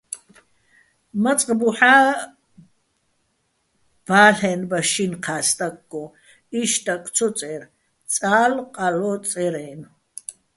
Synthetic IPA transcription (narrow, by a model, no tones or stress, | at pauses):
mat͡sʼqʼbuħaː | b̥aːɬɛːnbaʃinqʰaːst̪ʼak̚ʼɡɔ | iʃt̪ʼakʰʼt͡sʰɔt͡sʼɛɾ | t͡sʼaːlqʼalɔt͡sʼɛɾɛːn